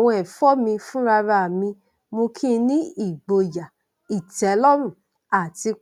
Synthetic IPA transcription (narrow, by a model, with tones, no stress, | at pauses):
w̃ɔ̃˧ɛ˨fɔ˦mĩ˧fũ˦ɾa˧ɾa˧˨mĩ˧ | mo˧kʰĩ˦˧nĩ˦i˦˨ɡ͡bo˨ja˨ | i˨tɛ˨˦lɔ˦ɾũ˦˨ | a˨ti˧